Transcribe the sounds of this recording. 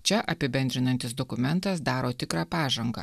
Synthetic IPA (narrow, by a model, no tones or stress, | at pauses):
t͡ʃʲɛʔɐpʲɪbʲɛnd̪ɾʲɪnɐnʲt̪ʲɪsd̪ɔkʊmʲɛnt̪ɐs̬d̪ɑːɾoːt̪ʲɪkɾɑːpɑːʒɐŋɡɐ̰